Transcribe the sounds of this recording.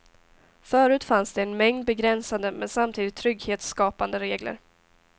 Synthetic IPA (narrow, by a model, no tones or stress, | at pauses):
fœːɾʉ̟ːt̪fansd̪ɛːnmɛŋd̪̚bɛɡɾɛnsand̪əmɛnsamt̪ʰiːd̪ɪt̪ʰːɾʏɡheːt̪skɑːpand̪əɾeːɡlə̰ɾ